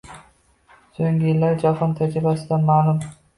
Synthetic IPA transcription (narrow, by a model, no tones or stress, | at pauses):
soŋɡʲɪjɪlːaɾd͡ʒahɒnt̪ʰad͡ʒɾɪbasɪd̪anmaːlʊm